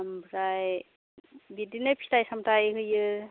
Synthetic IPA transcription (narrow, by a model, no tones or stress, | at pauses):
mbɾaj | bidinɯpʰi̥tajsamtajɦɯjɯ